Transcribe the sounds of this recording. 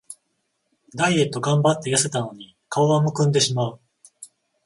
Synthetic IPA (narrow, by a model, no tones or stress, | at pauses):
d̪aie̞t̪ːo̞ɡãmbat̪ːe̞jase̞t̪ano̞ɲ̟i | kʰaoβamo̞kɯ̟̃nd̪e̞ɕimaɯ̟